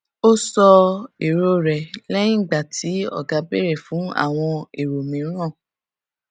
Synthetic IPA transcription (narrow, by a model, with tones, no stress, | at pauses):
o˦sɔ˧e˨ɾo˧ɾɛ˨lɛ˦nĩ˦˨ɡ͡ba˨tʰi˨˦ɔ̰˦˨ɡa˨˦be˦˨ɾɛ˨fũ˨˦a̰˦˨w̃ɔ̃˧e˨ɾo˨mĩ˨˦ɾ̃ã˦˨